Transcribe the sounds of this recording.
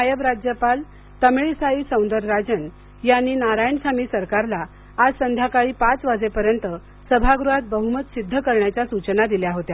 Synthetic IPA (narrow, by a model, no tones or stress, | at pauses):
ajəbɾad͡ʑjəpal | t̪əmɭisaisə̃w̃nd̪əɾːad͡zən | janːiːnaɾajɳsamiːsəɾkaɾlaː | d͡zsənd̪ʱjakaɭiːpat͡sʋad͡zepəɾjənt̪ə | səbʱaɡɾuɦat̪̚bəɦumət̪sid̪ʱːəkəɾɳjat͡ɕjasut͡ɕnad̪iljaɦot̪ja